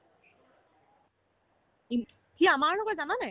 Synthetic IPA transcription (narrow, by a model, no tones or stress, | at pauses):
i | kiamaɹlɔɡɔtzananɛ